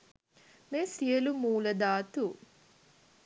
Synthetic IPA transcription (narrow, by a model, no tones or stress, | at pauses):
meːsijəlumuːləd̪aːt̪u